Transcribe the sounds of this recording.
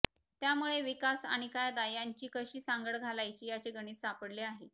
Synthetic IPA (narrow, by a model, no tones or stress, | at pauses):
t̪jamuɭeʋikasa̰ɽ̃ikajd̪ajaɲt͡ɕiːkəɕiːsaŋɡəɽɡʱalajt͡ɕiːjat͡seɡəɽ̃iːt̪sapəɽleaɦe